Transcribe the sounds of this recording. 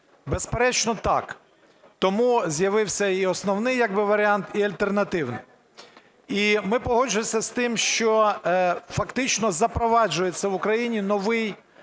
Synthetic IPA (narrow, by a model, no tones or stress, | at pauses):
bespeɾɛt͡ʃnɔt̪ɑ̰k | t̪ɔmuzʲjɐʋɪwsʲɐiɔsnɔwnɪjːɐɡ̚bɪʋɐɾʲɪɑnt̪iɐlʲt̪ernɐt̪ɪwnɪj | imɪpɔɦɔd͡ʒʊjesʲɐst̪ɪmʃt͡ʃɔ | fɐkt̪ɪt͡ʃnɔzɐpɾɔʋɑd͡ʒʊjet͡sʲːɐʋʊkɾɐjinʲinɔʋɪj